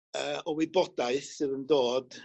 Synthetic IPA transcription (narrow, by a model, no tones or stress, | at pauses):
əːɔwibɔdaɨθɨðəndoːd̥